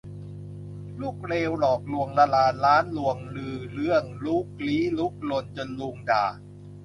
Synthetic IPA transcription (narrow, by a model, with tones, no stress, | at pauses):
luː˥˩k̚ɾeː˧wlɔː˨˩k̚lu˧əŋlaː˧laː˧nlaː˦˥nlu˧əŋlɯː˧˩lɯ˥˩əŋluː˥˩k̚liː˦˥lu˦˥˩k̚lo˧nt͡ɕo˧nlu˧ŋda̰ː˨˩